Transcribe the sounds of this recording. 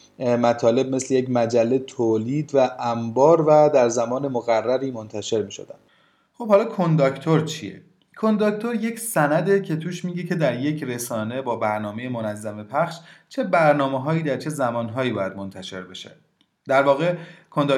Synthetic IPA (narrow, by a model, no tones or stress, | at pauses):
mæt̪ʰɒːle̞b̚me̞slejecmæd͡ʒælːet̪ʰoːliːd̪væʔæmbɒːɾvæd̪æɾzæmɒːne̞moɣærːæɾiːmont̪ʰæʃe̞ɾmiːʃo̰d̪æ̰nd̪̥ | χob̥hɒːlɒːkʰond̪ɒct̪ʰoɾt͡ʃʰijḛ | kʰo̞nd̪ɒːkt̪ʰoɾje̞cʰsænæd̪e̞cʰe̞t̪ʰuːʃmiːɟe̞cʰe̞d̪æɾje̞cʰre̞sɒːne̞bɒːbæɾnɒːmejemonæzːæmepʰæχʃt͡ʃʰe̞bæɾnɒːmeɦɒːjiːd̪æɾt͡ʃʰe̞zæmɒːnɦɒːiːbɒːjæd̪̚mo̞nt̪ʰæʃe̞̰ɾbe̞ʃḛ | d̪̥æɾvɒːɣe̞kʰond̪ɑ